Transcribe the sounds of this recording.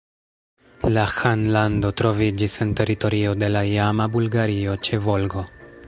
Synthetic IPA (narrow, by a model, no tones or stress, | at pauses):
laxanlando̞tɾo̞vid͡ʒisente̞ɾito̞ɾio̞de̞laijamabulɡaɾio̞t͡ʃe̞vo̞lɡo̞